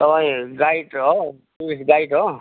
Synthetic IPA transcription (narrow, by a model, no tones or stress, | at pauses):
t̪ʌpaĩɡajʈɦo | puisɡajʈɦo